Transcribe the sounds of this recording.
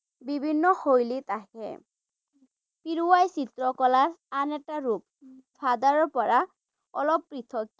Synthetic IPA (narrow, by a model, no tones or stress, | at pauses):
bibʱinːɔxojlit̪aɦɛ̰ | piɹuwajsit̪ɹɔkɔlaɹanɛtaɹup̚bʰʱad̪aɹɔpɔɹa | ɔ̰lɔpːɹit̪ʰɔk